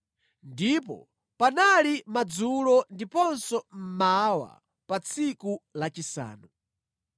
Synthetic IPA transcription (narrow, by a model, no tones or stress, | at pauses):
ndipɔ̰ | panalimad͡zulɔndipɔnsɔm̩mawa̰ | pat͡sʰikulat͡ʃisa̰ːnu